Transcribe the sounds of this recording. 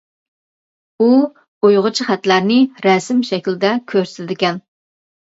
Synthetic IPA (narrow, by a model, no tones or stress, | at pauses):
u | ojʁʊt͡ʃʰiχæt̪læɾnɪɾɛsɪmʃɛkʲlɪd̪ɛkʲʰøɾsɪd̪ɪkʲɛn